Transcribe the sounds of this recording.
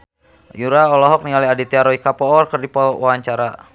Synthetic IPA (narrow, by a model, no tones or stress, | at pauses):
juɾaɔlɔɦɔk̚niŋaliadit̪iaɾɔikapɔɔrkərdipɔwaɲt͡ʃaɾa